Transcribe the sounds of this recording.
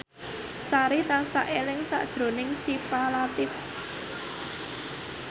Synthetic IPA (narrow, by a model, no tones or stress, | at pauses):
saɾit̪ansa̰ʔelɪŋsa̰ʔd̥ʒ̥ɾo̤nɪŋsipalat̪ɪf